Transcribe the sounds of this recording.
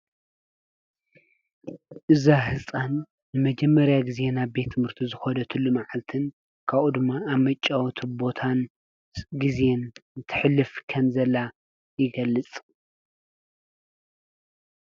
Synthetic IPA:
ʔɨzaɦɨsʼanː | ɨmɐd͡ʒɛmːɐɾjaɡize̞naβbe̞t̪ʰːɨmɨɾt̪ʰizɨxɐd̪ɐt̪ʰɨlːumaʕalt̪ʰɨn | kʰaβʔud̪ɨmːaːβmɐt͡ʃʼːawt̪ʰɨbo̞t̪ʰan | ɡizent̪ʰɨ̥ħlːɨfkʰɐmzɐla | jɪɡɐlːɨt͡sʼ

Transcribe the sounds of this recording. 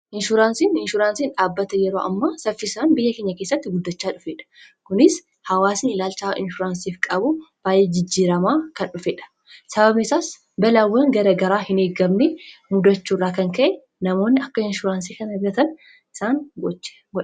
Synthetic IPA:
ʔɪnʃʊɾaːnsiːnɪnʃʊɾaːnsiːnᶑaːbːɐt̪ɐjɛɾoːʔɐ̰mːaːsɐfːɪsaːnbɪjːɐkeːɲːɐkeːsːɐt̪ːɪɡʊd̪ːɐt͡ʃːaːᶑʊfeːᶑɐ̥ | kʊnɪs | hɐwaːsiːnɪlaːlt͡ʃaːɪ̰nʃʊɾaːnsiːfkʼɐbʊb̥aːjʔːeːd͡ʒɪd͡ʒːiːɾɐmaːkɐnᶑʊfeːᶑɐ̥ | sɐbɐbnɪsaːs | bɐlawːɐŋɡɐɾɐɡɐɾaːhɪneːɡɐbnɛmʊd̪ɐt͡ʃːuːrːaːkɐŋkɐʔɛ | nɐmo̞ːnːɪɐkːɐɪnʃʊɾaːns̬iːkɐnɛbɡɐt̪ɐn | ɪsaːnɡɔt͡ʃː | ɡ

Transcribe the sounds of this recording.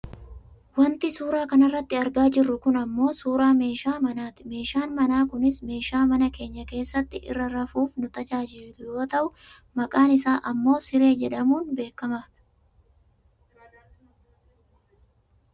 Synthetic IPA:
wɐnt̪ɪsuːɾaːkɐnɐrːɐt̪ːɪɐɾɡaːd͡ʒɪrːʊkʊnɐmːo̞ːsuːɾaːme̞ːʃaːmɐnaːt̪ɪ̥me̞ːʃaːnmɐnaːkʊnɪsme̞ːʃaːmɐnɐke̞ːɲːɐke̞ːsːɐt̪ːɪʔɪ̰rːɐɾɐfuːfnʊt̪ɐt͡ʃaːd͡ʒɪlʊjo̞ːt̪ɐʔʊ | mɐkʼaːnɪsaːʔɐmːo̞ːsɪɾe̞ːd͡ʒɛᶑɐmuːnbe̞ːkːɐmaːᶑɐ̥

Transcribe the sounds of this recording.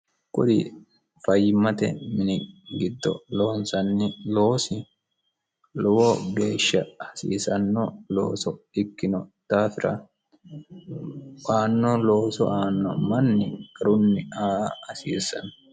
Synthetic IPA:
kʼʊᶑi | fɐjːɪmɐt̪ɛ̰mɪnɪɡɪd̪ːɔ̰lo̞ːnsɐnːɪlo̞ːsɪ | lɔwɔɡeːʃːɐ̰ɐsḭːsɐnːɔlo̰ːsɔɪkːɪnɔt̪aːfɪɾɐ̰ | aːnːɔloːsɔ̰ʔaːnːɔmɐnːɪkʼɐɾʊnːɪaːɐsiːsɐnː

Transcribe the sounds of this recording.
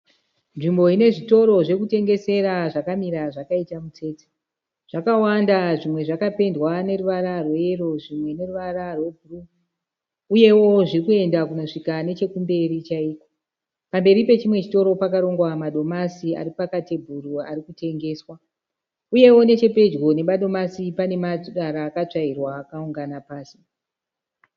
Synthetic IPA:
nʐimbo̞ine̞ʐito̞ɾo̞ʐe̞kute̞ŋɡe̞se̞ɾaʐakamiɾaʐakaitamut͡se̞ːte̥ | ʐ̥akawandaʐimwe̞ʐakape̞ndwane̞ɾuʋaɾarweero̞ʐimwe̞ne̞ruʋararwe̞bʱuru | uje̞wo̞ʐirikue̞ndakuno̞ʂikane̞t͡ʃe̞kumbe̞ɾit͡ʃaiːko̥ | pambe̞ɾipe̞t͡ʃimwe̞t͡ʃi̥to̞ɾo̞pakaɾo̞ŋɡwamaɗo̞masia̰ɾipakatebʱuruarikute̞ŋɡe̞ːswa | uje̞wo̞ne̞t͡ʃe̞pe̞d͡ʒɣo̞ne̞ɓaɗo̞masipane̞maɗaɾaːkat͡ʂairwaːkauŋɡanapaːsi̥

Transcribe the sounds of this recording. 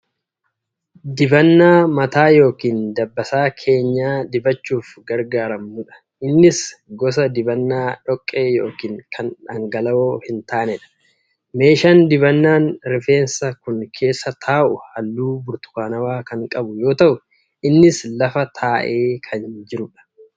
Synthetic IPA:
d̪ɪbɐnːaːmɐt̪aːjo̞ːkiːnd̪ɐbːɐsaːkʰe̞ːɲːaːd̪ɪbɐt͡ʃːuːfɡɐɾɡaːɾɐmːʊᶑɐ̥ | ʔɪnːɪsɡɔs̬ɐd̪ɪbɐnːaːᶑɔkʼːe̞ːjo̞̰ːkiːŋkʰɐnᶑɐŋɡɐlɐoːhɪnt̪aːnɛᶑɐ̥ | me̞ːʃand̪ɪbɐnːaːnɾɪfe̞ːnsɐkʊŋkʰe̞ːsːɐt̪ʰaːʔʊhɐlːuːbʊɾt̪ʊ̥kaːnɐwaːkɐŋkʼɐbʊjo̞ːt̪ɐʔʊ | ʔɪnːɪslɐfɐt̪ʰaːʔe̞ːkʰɐnd͡ʒɪɾʊᶑɐ̥

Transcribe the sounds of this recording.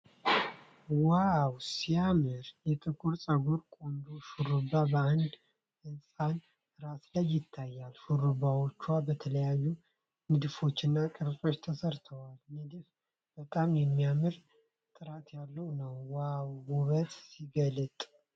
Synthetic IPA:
wawsijamɨɾjɛt̪ʼɨkʼuɾsʼəɡoɾkʼond̪uʃuɾɨbːabəand̪ | ɨnsʼan | ɾaslajːɪt̪ʰːajːalʃuɾɨbawot͡ʃːuwabət̪ʰələjajːu | nɨd̪ɨfo̞t͡ʃːɪnːakʼɨɾsʼo̞t͡ʃːt̪ʰəsəɾt̪ʰəwalnɨd̪ɨf | b̥ət̪ʼamjɛmːijamɨɾ | t̪ʼɨɾat̪jalːəwnəwːawwuβət̪ʼsiɡəlɨt̪ʼ

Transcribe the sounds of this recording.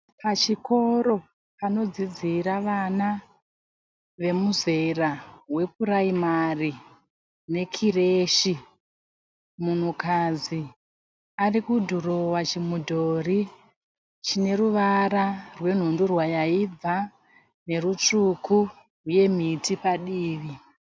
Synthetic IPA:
pat͡ʃiko̞ɾo̞ | pano̞d͡zid͡ziɾaʋana | ʋe̞muze̞rawe̞puraimari | ne̞kʰireʃi | mun̤ukad͡zi | arikudʱuro̞wat͡ʃimudʱo̞ri | t͡ʃine̞ruʋaɾarwe̞n̤undurwajaib͡va | ne̞rut͡ʂukʰu | ɦuje̞m̤itipaɗiːʋi

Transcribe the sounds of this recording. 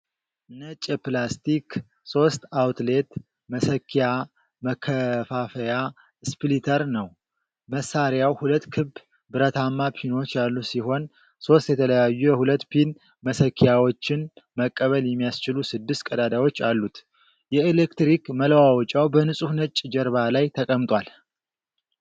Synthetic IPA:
nət͡ʃʼɛplast̪ik | so̞st̪awt̪le̞t̪ | məsəkʰːija | məkʰːəfafəja | split̪ʰəɾnəw | məsːaɾjawhulət̪ːkʰɨb | bɨɾət̪ʰamːapʰino̞t͡ʃːalːusiho̞n | so̞st̪jɛt̪ʰələjajːujɛhulət̪ːpʰin | məsəkʰːijawot͡ʃːɪnməkʼːəβəljɛmːijast͡ʃɪlusɨd̪ːɨst̪̚kʼəd̪ad̪awo̞t͡ʃːalːut̪ | jɛelekt̪ɾikmələwawɔt͡ʃʼawbənɨsʼuhnət͡ʃʼd͡ʒɛɾβalajt̪ʰəkʼəmt̪ʼwal

